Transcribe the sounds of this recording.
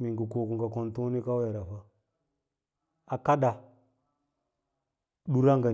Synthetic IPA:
mi˨ŋɡu˨ko˨ku˨ŋɡa˨ko˨ntu˦ni˦ka˦we˨ɾa˨ɸa˦ | a˨ka˦da˨ | ɗu˦ɾa˦ŋɡa˨

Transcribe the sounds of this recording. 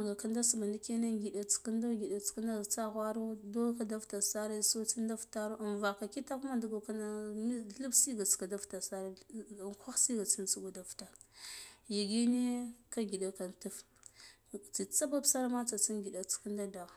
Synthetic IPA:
ɡa˨ka˦nda˦su˨ba˨nda˦ke˦na˦ŋɡi˨ɗa˨t͡si̥˨ki˦nda˦ɡi˨ɗa˨t͡si̥˨ki˦nda˦˨t͡sa˦ɣʷa˦ɾo˦do˦ka˦da˦vta˨sa˦ɾa˦so˦t͡si˦n˦da˦fta˦ɾo˦˨nva˨ka˨ki˦ta˦ku˦ma˦du˨ɡo˨ka˦na˦i˦ɬu˦bsi˦ɡa˨t͡ska˨da˦fta˨sa˦ɾa˨kʷa˦xsi˦ɡa˨t͡si˦nt͡si˦ɡu˨da˨fta˨ | ji˨ɡi˦ne˦ka˦ɡi˨ɗa˨ka˨ntu˦f | t͡si˨t͡sa˦ba˦bsa˦ɾa˦ma˦t͡sa˨t͡si˦ŋɡi˨ɗa˨t͡si̥˨ki˦nda˦da˨

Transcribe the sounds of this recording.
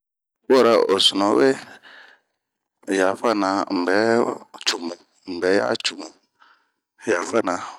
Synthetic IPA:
wɔ˦˨ɾa˦˨ʔo˨su˨nɔ̃˨˦we˦˨ | ja˨fa˦˨nã˨˦m̩˨bɛ˨˦t͡ʃu˨mũ˨ | m̩˨bɛ˨˦ja̰˦t͡ʃu˨mu˨ | ja˨fa˦nã˨

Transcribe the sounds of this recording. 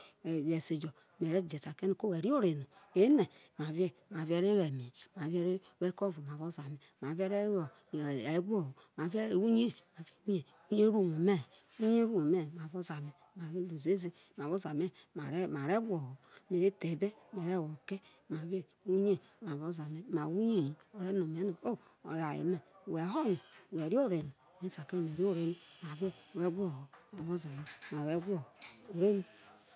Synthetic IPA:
je˨se˨d͡ʒo˨ | m˨e˨ɾe˦˨d͡ʒe˨ta˨ke˦ne˨ko˦we˨ɾi˦o˦ɾe˨nu˨e˨˦ne˨m˨a˨ve˦m˨a˨ve˦ɾe˦we˨mi˨ma˨ve˦ɾe˦we˦ko˦vo˨ma˨vo˦za˨me˨m˨a˨ve˦ɾe˦o˨ | e˨˦ɡo˦˨ho˨ | ma˨ve˦˨wu˦ɲe˦ma˨ve˦wu˦ɲe˨ | u˦ɲe˦ɾu˦˨mo˨me˦˨ | u˦ɲe˦ɾu˦mo˨me˦˨ma˨vo˦za˨me˨ | ma˨ve˦lo˨ze˦ze˦ | m˨a˨vo˦za˨me˦˨˦ma˨ɾe˦ɡʷo˨ho˨˦me˨ɾe˦te˨be˦me˨ɾe˦˨wo˨ke˦ | ma˨βe˦ | u˦ɲe˦ | ma˨βo˦za˨me˨ma˨wu˦ɲe˦˨ji˨o˨ɾe˦no˨me˨˦no˨o˦o̰˨ja˨jḛ˨me˨we˨˦ɦo˦no˨we˨ɾi˦o˦˨ɾe˨ni˨me˦sa˨ke˦˨m˨e˨ɾi˦o˦ɾe˨ni˦ma˨vo˦˨we˦ɡʷo˦˨ho˨ma˨βo˦za˨me˨ma˨we˦ɡʷo˦˨o˨ɾe˦ni˦

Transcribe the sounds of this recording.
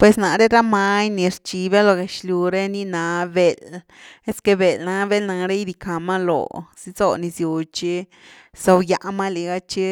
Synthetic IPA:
pwe˨sna˨ɾe˦ɾa˦ma˧ɲni˨˧ɾt͡ʃi˧be˦lo˧ɡe˨ʃlju˧ɾe˦ni˦na˧be˨l | e˦ske˧be˨lna˧be˦lna˧ɾe˦jɾi˧ka˨ma˦lo̰˨si˧zo̰˧ni˧sju˨t͡ʃi˦ | sa˧wja˧ʔma˦li˨ɡa˦t͡ʃi˦

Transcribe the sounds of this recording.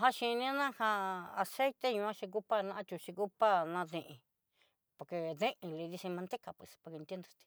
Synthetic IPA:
ɦa˦ʃĩ˧nĩ˦nã˦ha˧a˧se˦t̪e˦ɲũ˧ã˦ʃi˧k̬u˦pa˦nã˧ʔã˧t͡ʃ̪u˧ʃi˧ku˦pa˦nã˧ðĩ˧ʔĩ˧ | po˨ɾke˧ðẽ˦ʔĩ˧li˧ði˧sĩ˧mã˧nd̪e˦ka˧˨pwe˧spo˨˧knt̪jnd̪o˧t̪i̥˧

